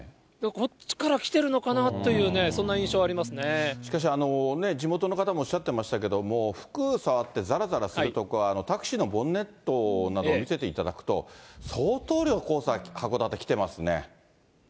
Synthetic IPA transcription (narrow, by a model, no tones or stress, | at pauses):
d̪ako̞t͡ɕi̥kaɾakʲi̥t̪e̞ɾɯ̟no̞kanat̪ːo̞jjɯ̟ːne̞sõnːaĩɰ̃ɕo̞ːaɾʲimasɨneɕi̥kaɕ̬iano̞ne̞d͡ʑimo̞t̪o̞no̞kat̪amo̞ːɕːat̪ːe̞maɕi̥t̪ake̞d̪o̞mo̞ːɸɯ̟̥kɯ̟saβat̪ːe̞zaɾazaɾasɨɾɯ̟t̪o̞kɯ̟aːno̞t̪akɯ̟̥ɕinobõ̞nːe̞t̪ːo̞nad̪o̞ːmʲise̞t̪e̞it̪ad̪akɯ̟̥t̪o̞̰so̞ːt̪o̞ːɾʲoko̞ːsahako̞d̪at̪ːekʲi̥t̪e̞masɨne̞̰